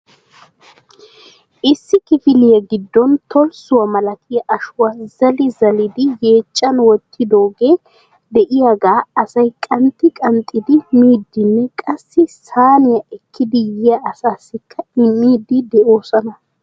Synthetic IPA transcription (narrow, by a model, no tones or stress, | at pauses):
ʔɪsːɪkɪfɪlɪjɐɡɪd̪ːɔnt̪ʰɔlsʊwɐmɐlɐkɪjɐʔɐʃʊwɐzɐlɪzɐlɪd̪ɪje̞ːt͡ʃʼːɐnwɔt̪ʰːɪd̪o̞ːɡe̞ː | d̪ɛʔɪjaɡaːɐsɐjkʼɐnt̪ːɪkʼɐnt̪ʼɪd̪ɪmiːd̪ːɪnːɛkʼɐsːɪsaːnɪjɐʔɛkːɪd̪ɪjɪjɐɐsaːsːɪkʰːɐɪmːiːd̪ɪd̪ɛʔo̞ːsɐnɐ